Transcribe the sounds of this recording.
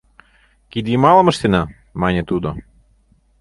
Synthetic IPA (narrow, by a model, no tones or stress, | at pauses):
kʲid̪ʲimɑːlˠɐmɐʃt̪ʲɪnɐ | maːnʲɛt̪uːd̪ɔ